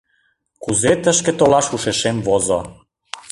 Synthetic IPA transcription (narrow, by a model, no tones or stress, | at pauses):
kuzet̪əʃkĕt̪olɑʃuʃeʃemvozo